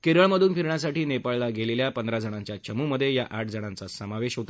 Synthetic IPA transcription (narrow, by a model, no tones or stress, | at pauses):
keɾəɭməd̪ʱuːnpʰiɾɳjas̬aʈiːnepaɭlaɡeleljapənd̪ɾad͡zʱəɽ̃ãɲt͡ɕjat͡ɕəmuməd̪ʱːjejaʔaʈ̚d͡zʱəɽ̃ãnt͡sasəmaʋeɕɦot̪a